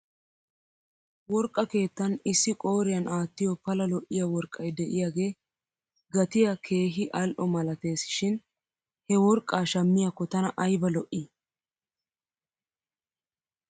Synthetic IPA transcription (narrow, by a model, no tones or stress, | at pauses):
wɔɾkʼːɐke̞ːt̪ːɐnɪsːɪkʼo̞ːɾɪjɐnʔaːt̪ːɪjɔpɐlɐlɔʔɪjawɔɾkʼːɐjd̪ɛʔɪjaːɡe̞ː | ɡɐt̪ɪjakʰe̞ːɦɪʔɐlʔɔmɐlɐt̪e̞ːsɪ̥ʃɪn | hɛwɔɾkʼːaːʃɐmːɪjakːɔt̪ɐnɐʔɐjbɐlɔʔi